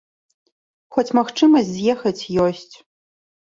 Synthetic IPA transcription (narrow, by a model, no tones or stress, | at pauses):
xʷɔtʰmɐxʈ͡ʂʰɨmɐzjɛxɐtʰjoɕtʰ